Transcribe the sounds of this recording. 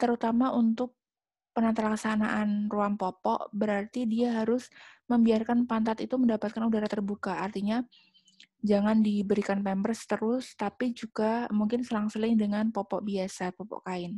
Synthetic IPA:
t̪əɾut̪amaʔunt̪ʊk̚ | pənant̪alaksanaʔanruaŋpɔpɔ̰ʔbəɾart̪idiaɦaɾʊsməmbiarkanpant̪at̪it̪uməndapat̪̚kanudaɾat̪ərbukaːrt̪iɲa | d͡ʒaŋandibəɾikanpɛmbərst̪əɾʊst̪apid͡ʒuɡamuŋkɪnsəɾaŋsəlɪŋdəŋanpɔpɔʔbiasapɔpɔ̰ʔkaɪn

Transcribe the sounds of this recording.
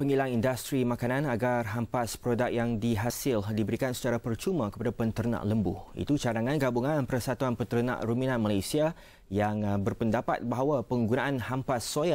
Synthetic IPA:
pəŋilaŋindast̪ɾimãkanãnaɡarɦampaspɾodak̚jaŋdiɦasɪldibəɾikansə̥t͡ʃaɾapərt͡ʃumãkə̥padapənt̪əɾnã̰ʔləmbṵḭt̪ut͡ʃadaŋãnɡabuŋãnpəɾəsat̪uanpənt̪əɾənã̰ʔɾumĩnãnmalajsia | jaŋbərpəndapa̰t̪̚baɦawapəŋɡunaʔanhampasːoja

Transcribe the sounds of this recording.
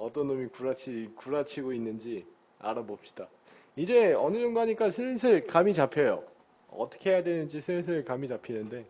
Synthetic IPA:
ʌt͈ʌnomikuɾat͡ɕʰikuɾat͡ɕʰiɡoinːɯnd͡ʑi | a̰ɾabop̚ɕ͈i̥d̥a | id͡ʑe̞ʌnɯd͡ʑondoɦaɲik͈asʰɯɭsʰɯɭkamit͡ɕapʰejo̰ | ʌ̰t͈ʰʌ̥kʰe̞ɦe̞jadwe̞nɯnd͡ʑisʰɯɭsʰɯɭkamid͡ʑapʰinɯnde̞

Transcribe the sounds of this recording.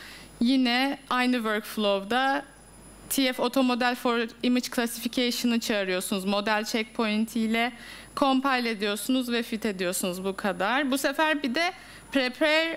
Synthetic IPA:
jinɛajnɯvøɾkflˠo̞vd̪a | t̪ʰijɛfo̞t̪ʰo̞mo̞d̪ælʲfoɾimid͡ʒkʰlˠasificʰejʃɯnɯt͡ʃʰaːɾɯjo̞ɾsunuzmo̞d̪ælʲt͡ʃʰɛc̚pʰo̞jint̪ʰijlʲɛkʰo̞mpajlʲe̞d̪ijo̞ɾsunuzvɛfit̪ʰe̞d̪ijo̞ɾsunuzbukʰad̪aɾ̥busefæɾbid̪ɛ | pʰɾepʰɛɾ

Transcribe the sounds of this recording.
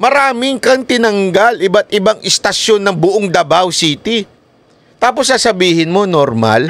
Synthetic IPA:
mɐɾaːmɪŋkɐŋt̪ɪnɐŋɡalʔɪbat̪ʔɪbaŋʔɪst̪ɐʃjo̞nːɐŋbʊʔoŋd̪ɐbawsiːt̪i | t̪aːp̬osːasɐbiːhɪnmo̞noɾma̰l

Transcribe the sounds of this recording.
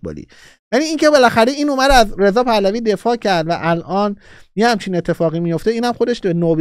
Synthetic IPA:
bo̰lḭː | jæniːiːŋcebe̞læxæɾeiːnomæd̪æzɾe̞zɒːpʰælæviːd̪e̞fɒːcʰæɾd̪væʔælʔɒːnjehæmt͡ʃʰine̞t̪ʰːe̞fɒːɣiːmijo̞ft̪eiːnæmxod̪eʃbenoːb

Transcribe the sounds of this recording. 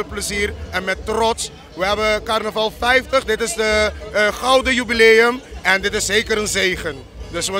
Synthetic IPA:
əpləziːrɛnmɛtːrɔts | ʋəɦɛbəkarnəvɑlˠfɛjftəχdɪtɪsdəχʌwdəjybileːəmɛndɪtɪszejkəɾənzejχən | dɵsʋə

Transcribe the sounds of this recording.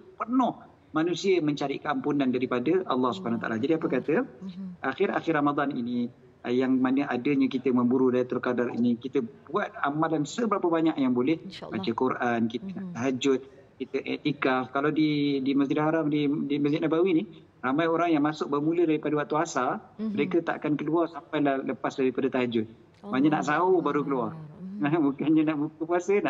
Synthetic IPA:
pərnɔh | manusiəməɲt͡ʃaɾḭʔkəampunandaɾipadəʔɑ̰lːɑhsubəanat̪a̰lad͡ʒadiapəkat̪əʔaxɪɾa̰xɪrːamad̪ˤɑnini | jaŋmanəʔadəɲəkit̪əməmbuɾudait̪ərkadarḭnikit̪əbuat̪̚amalansəbəɾapəbaɲaʔjaŋbolɛhbat͡ʃəkurʔankit̪ənaʔt̪aɦad͡ʒʊt̪̚ | kit̪əʔɛ̰t̪ikafkalawdidiməsd͡ʒidhɦaɾamdidiməsd͡ʒɪt̪̚nabawinih | ramajoɾaŋjaŋmasʊk̚bərmulədaɾipadəwaʔ̚t̪uasaməɾekət̪a̰ʔa̰kankəluarsampajlahləpasdaɾipadət̪aɦad͡ʒʊt̪̚ | maɲəna̰ʔsaubaɾukəluarəmukaɲənaʔbukəpuasənaʔ

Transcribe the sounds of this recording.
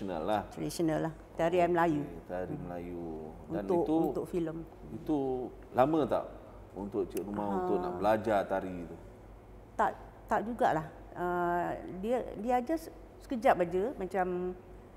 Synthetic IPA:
na̰lːat̪adisonalːaht̪aɾiaməlajut̪aɾiməlaju | udnaniʊʔt̪uunt̪ʊʔfiləm | it̪u | lamə̃t̪a̰ʔ | unt̪ʊʔt͡ʃəʔɾumahunt̪ʊʔna̰ʔbəlad͡ʒat̪aɾit̪u | t̪aʔ | t̪aʔd͡ʒuɡa̰ʔlah | ədiədiad͡ʒas | sə̥kəd͡ʒaʔ̚bad͡ʒəmat͡ʃam

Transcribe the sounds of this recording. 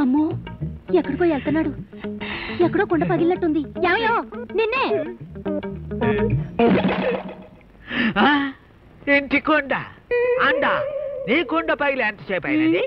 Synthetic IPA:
ɐmːoːɛkːɐɽikoːelt̪ɐnːaːɽu | ɛkːɐɽoːkɔɳɖɐpɐɡilːɐʈːund̪ijaːmɐjoːninːe | a | eɳʈikɔɳɖa̰aɳɖ̪aːniːkɔɳɖɐpɐɡileːnt̪ɐt͡ʃɛːpɐjɐni

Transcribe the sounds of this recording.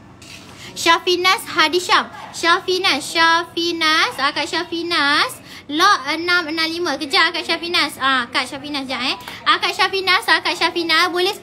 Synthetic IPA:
ʃafinasɦadiʃamʃafinãsʃafinasakaʔʃafinas | lɔənãmənãmlimãkəd͡ʒaʔakaʔʃafinãsaakaʔʃafinãsd͡ʒaɛakaʔ̚ʃafinãsakatʃafinãsbolɛ

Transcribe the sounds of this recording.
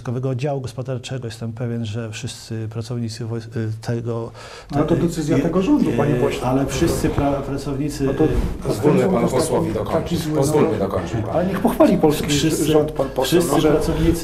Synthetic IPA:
kɔvɛɡɔd͡ʑawuɡɔspɔd̪aɾt͡ʂɛɡɔjɛst̪ɛmpɛvʲjɛnʐɛfʂɘst̪sɘpɾat̪sɔvɲit̪sɨvɔjt̪ʰɛɡɔ | t̪t̪ɔd̪ɛt̪sɘzʲjat̪ɛɡɔʐɔnd̪upaɲɛvɔɕalɛfʂɘst̪sɨpɾapɾat̪sɔvɲit̪sɘt̪ɔɔzvɔɔ̃ɔsaɔakʲizwzɔlakɔalɛɲɛxpɔxfalʲipɔlsskʲiʂsɔnt̪papɔfʂɨssɨpɾat̪sɔvɲit̪s

